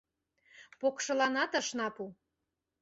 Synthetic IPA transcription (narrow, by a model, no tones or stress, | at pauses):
pokʃɤ̆lɑnɑt̪ə̆ʃnɑpu